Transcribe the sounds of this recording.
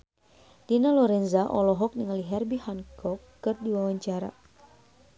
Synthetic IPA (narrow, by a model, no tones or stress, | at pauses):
d̥inalɔɾɛnzaʔɔlɔɦɔk̚niŋaliɦɛrbihaŋkɔkːɨrdiwawaɲt͡ʃaɾa̰